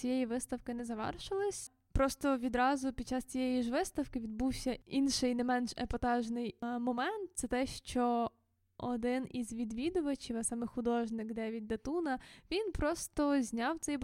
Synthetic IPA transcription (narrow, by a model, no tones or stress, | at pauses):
t͡sʲijɛjiʋɪst̪ɐwkɪnɛzɐʋɛ̰rʃɪlˠɪsʲ | pɾɔst̪ɔʋʲid̪ɾɑzʊpʲidt͡ʃːɑst͡sʲijɛjiʒʋɪst̪ɐwkɪʋʲid̪buwsʲɐinʃɪjnɛmɛnʃɛ̰pɔt̪ɑʒnɪjmɔmɛnt̪̚t̪sɛt̪ɛʃt͡ʃɔ | ɔd̪ɪnizʋʲid̪ʋʲid̪ʊʋɐt͡ʃiʋɐsɑmɛxʊd̪ɔʒnɪkd̪ɛʋʲid̪ːɐt̪unɐʋʲinpɾɔst̪ɔzʲnʲɑwt̪sɛj